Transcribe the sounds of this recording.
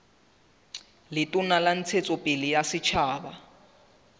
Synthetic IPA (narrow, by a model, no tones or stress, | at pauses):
lɪtʼʊnalan̩t͡sʰet͡sʼɔpʼɪlɪjasɪt͡ʃʰaːba